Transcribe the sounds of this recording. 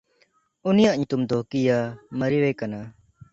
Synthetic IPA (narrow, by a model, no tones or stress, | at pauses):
ʊnɪjãʔɲt̪ʊmd̪ʱoːkijaːməɾiʋeːkənaː